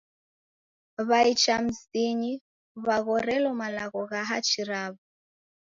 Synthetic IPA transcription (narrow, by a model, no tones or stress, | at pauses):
βait͡ʃam̩ziɲi | βaɣɔɾɛlɔmalaɣɔɣaɦat͡ʃiɾaβɔ